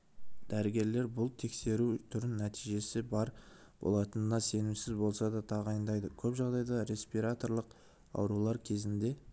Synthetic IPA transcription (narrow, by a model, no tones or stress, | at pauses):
d̪̥æɾɪɡʲe̞ɾle̞ɾbʊlˠt̪ʰe̞kse̞ɾut̪ʰʏɾɪnːæt̪ijʒe̞sɪbɑɾ | b̥o̞̰lˠɑt̪ənənɑse̞nɪmsɪzbo̞lˠsɑd̪ɑt̪ʰɑʁɑjənd̪ɑjd̪əkʲʰɵpʒɑʁd̪ɑjd̪ɑɾe̞spijɾat̪o̞ɾlˠəq | ɑ̰wɾulˠɑɾkʲʰe̞zɪnd̪e̞